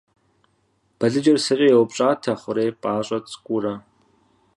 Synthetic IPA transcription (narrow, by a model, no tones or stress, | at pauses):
b̥ɐɮɨd͡ʒɐrsɨɕʼɐjɛwʊpɕʼaːtʰɐχʷʊɾeːpʼaːɕʼɐt͡sʼkʷʼʊrɐ